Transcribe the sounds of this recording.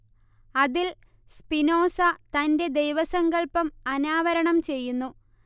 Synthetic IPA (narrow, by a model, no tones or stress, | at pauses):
ɐðil | spino̞ːsɐt̪ɐnde̞d̪e̞jʋɐsɐŋɡɐɭpːɐmɐnaːʋɐɾɐɳɐmt͡ɕe̞jːunːu